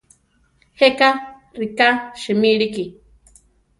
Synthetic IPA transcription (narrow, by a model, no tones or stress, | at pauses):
heka | rikaʃɨmiɺiki